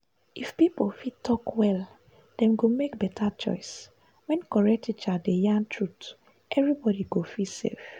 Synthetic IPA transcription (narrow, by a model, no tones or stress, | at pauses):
ifpipofitʰːɔkwɛl | d̥ɛ̃mɡomekbɛtʰat͡ʃɔ̰ɪs | wɛ̃nkɔɹɛk̚tʰit͡ʃadejãntʰɹut | ʔɛvɹibɔdiɡofisḛf